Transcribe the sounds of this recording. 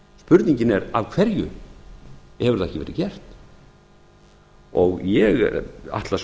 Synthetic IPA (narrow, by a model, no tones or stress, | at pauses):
spʏɾt̪niɲcɪnɛɾavkʰv̥ɛɾjʏ̰ | hɛvʏɾ̥θaɛcɪvɛːɾɪcɛr̥t̪n | ɔɣjɛɣa̰ht̪las